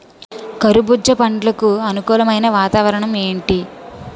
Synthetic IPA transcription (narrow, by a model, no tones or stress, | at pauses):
kɐɾubud͡ʒːɐpɐɳɖlɐkuɐnukuːlɐmɐjnɐʋaːt̪aːʋɐɾɐɳɐme̞ːɳʈi